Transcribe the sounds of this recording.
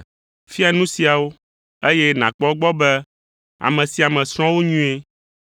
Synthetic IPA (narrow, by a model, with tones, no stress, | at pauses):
fi˦a˨nũ˦si˨a˨wo˦ | e˦jɛ˦nã˨k͡pɔ˦ɡ͡bɔ˦bɛ˦ | a̰˨mɛ̃˨si˨a˨mɛ̃˨sɾ̃ɔ̃˦wo˦ɲũ˦e˦